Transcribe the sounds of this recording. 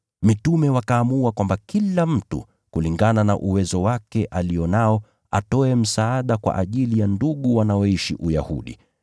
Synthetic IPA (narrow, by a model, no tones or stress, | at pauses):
mitumɛwakaːmuakwambakilam̩tṵ | kuliŋɡanana̰ʔuwɛzɔwakɛʔalijɔnaɔ | a̰tɔɛm̩saaɗakwa̰ʔaʄilijanduɠuwanaɔiʃiʔuja̰hṵɗḭ